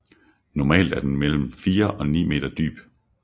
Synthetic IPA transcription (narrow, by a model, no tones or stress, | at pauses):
nɒmɛ̰ːld̥æɐd̥enmel̰m̩fiːɐʔɒ̽nḭːme̝̰ːd̥ɐd̥y̰ːb̥